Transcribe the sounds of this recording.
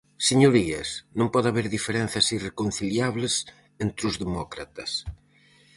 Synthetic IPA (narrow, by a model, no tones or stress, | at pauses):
seɲoɾiɐ̰snõmpɔðaβeɾðifeɾẽn̟θɐsirekon̟θiljaβles | ent̪ɾʊzðemɔkɾat̪ɐs